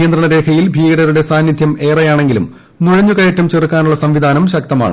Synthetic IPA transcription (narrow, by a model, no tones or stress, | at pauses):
ijɐnd̪ɾɐɳɐɾe̞ːkʰɐjilbʱiːɡɐɽɐɾuɽe̞saːnjid̪ʱjɐme̞ːrɐjaːɳe̞ŋɡilṵm | nuɻɐɲːukɐjɐtːɐmt͡ɕerkːaːnuɭːɐsɐmʋid̪ʱaːnɐmɕɐk̚t̪ɐma̰ːɳɨ